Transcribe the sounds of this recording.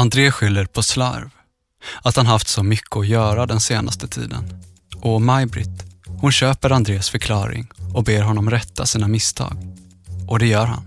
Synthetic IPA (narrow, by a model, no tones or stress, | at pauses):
and̪ɾeːɧʏlːəɾpʰɔsla̰ɾv | at̪hanɦaft̪sɔmʏkʰːəɔjœːɾad̪ɛnseːnʔa̰st̪ət̪ʰḭːd̪ə̰n | ʔɔmajbɾɪ̰t̪hʊnɕøːpəɾand̪ɾeːsfœɾkʰlɑːɾɪ̰ŋɔbeːɾɦɔnːɔmɾɛt̪ʰːasiːnamɪst̪ʰɑ̰ːɡ | ʔɔd̪ɛjœːɾɦa̰n